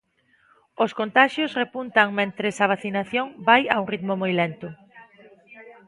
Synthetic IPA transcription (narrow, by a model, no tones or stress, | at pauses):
ʊskont̪aʃjʊsrepunt̪aŋmẽnt̪ɾesaβ̞aθinaθjoŋbajauŋrit̪mʊmojlent̪ʊ